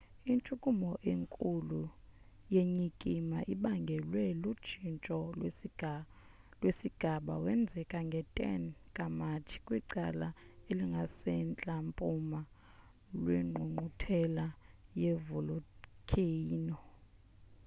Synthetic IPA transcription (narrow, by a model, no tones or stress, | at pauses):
int͡ʃʼukʼumɔʔeŋkʼulujeɲikʼimaʔiɓaŋɡʱɛlwɛlud̥ʒ̥ʱint͡ʃʼɔ | lwesiɡ̥ʱaɓawɛnd͡zʱɛkʼaŋɡʱɛtʼɛ̰nkʼamat͡ʃʰi̥kʼwiǀalaeliŋɡʱasɛnt͡ɬʼampʼuma | lweŋ͡ǃʱuŋ͡ǃʱutʰɛlajevulukʰʼiːnɔ